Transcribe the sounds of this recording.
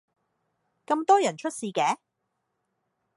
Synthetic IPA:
kɐ˧mt̪ɔː˥jɐ˨˩nt͡ʃʰɵ˥t̚siː˨˧kɛː˨˥

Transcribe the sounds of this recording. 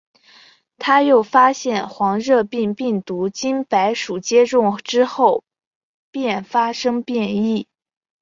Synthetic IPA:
t̪ʰa˥jo˥˩ʊfa˥ɕjɛ˥˩nxwɑ˧˥ŋɻɤ˥˧pi˥˧ŋpi˥˩ŋt̪u˧˥t͡ɕi˥npa˧˥ɪʂu˨˩t͡ɕjɛ˥ʈ͡ʂʊ˥˧ŋʈ͡ʂɻ̩˥xo˥˩ʊ | pjɛ˥˩nfa˥ʂɤ˥ŋpjɛ˥˧ni˥˩

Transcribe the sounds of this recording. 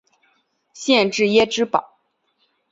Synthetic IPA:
ɕjɛ˥˧nʈ͡ʂɻ̩˥˩jɛ˥ʈ͡ʂɻ̩˥pɑ̰˨˩˦

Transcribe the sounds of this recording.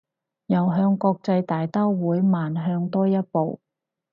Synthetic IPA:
jɐ˨˩wɦœː˧ŋkɔː˧k̚t͡sɐ˧jt̪aː˨jt̪aː˥wwuː˨˥jmaː˨nɦœː˧ŋt̪ɔː˥jɐ˥t̚po˨w

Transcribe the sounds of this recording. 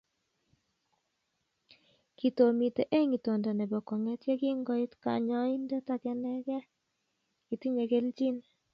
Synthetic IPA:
ki˨to˨mi˨te˨ʔe˦ŋi˨to˨ndɔ˨ne˨bɔ˨ko˨ŋe˦tje˦ki˦ŋɡɔ˦itka̰˨ɲɔ˦i˦nde˦ta˨kɛ˦nɛ˦kɛ˦ | ki˨ti˦ɲe˨ke˦lt͡ʃi˦n

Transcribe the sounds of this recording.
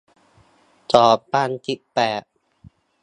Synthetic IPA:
t͡ɕɔː˨˩baː˥˩˨nt̪i˦˩pɛː˨˩t̪̚

